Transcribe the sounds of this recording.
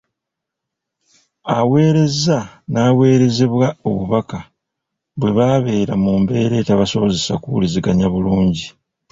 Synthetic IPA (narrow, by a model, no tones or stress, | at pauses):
awe̞ːɾe̞zanaːwe̞ːɾe̞ze̞βwao̞βuβaka | βwe̞βaːβe̞ːɾamuːmbe̞ːɾe̞ːtaβaso̞βoze̞sa̰kuβṵliziɡaɲaβuluːɲɟi